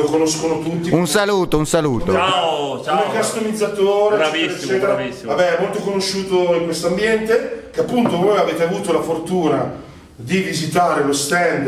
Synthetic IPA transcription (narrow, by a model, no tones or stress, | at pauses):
okonoskonot̪ut̪ːiunsaluːt̪ounsaluːt̪oa | aokast̪omid̪zːat̪ooːɾat͡ʃɛɾet͡ʃːɛːt̪eɾa | vabɛɛmːolt̪okonoʃːuːt̪oiŋkwest̪oambjɛnt̪ek̟eapːunt̪ovojaveːt̪eavuːt̪olafort̪uːna | d̪ivizit̪aːɾelost̪ɛnd̪